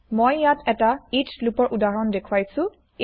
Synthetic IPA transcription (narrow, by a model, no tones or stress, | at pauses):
mojːatʰɛtaitʰlupɔɹʔudaɹɔndekʰuwajsʊ̃